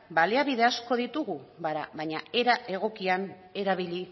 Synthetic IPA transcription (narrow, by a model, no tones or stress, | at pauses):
baliaβiðe̞asko̞ðit̪uɣuβaɾa̰βaɲae̞ɾaʔe̞ɣ̞o̞kian | e̞ɾaβ̞iʎi